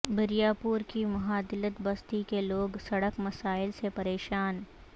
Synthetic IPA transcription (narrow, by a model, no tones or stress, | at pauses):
bɪɾijaːpuːɾkimɐɦaːd̪ɪlət̪bɐst̪ikeloːɡsɐɽəkmɐsaːɪlsepɐɾeːʃaːn